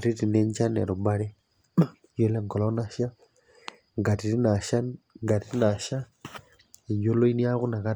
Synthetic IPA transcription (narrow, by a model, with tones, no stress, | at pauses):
ti˦ti˨ne˦ɲt͡ʃa˦nḛ˨ɾo˨ba˦ɾe˦ | jo˦lɛ˦ŋɡɔ˨lɔ˦na˦ʃja˦ | ŋɡa˨ti˨ti˦na˨ʃa˦ŋɡa˨ti˦na˨ʃa˦ | i˨jo˦lo˦i˦ni˦ja˦ɣu˦na˨ka˦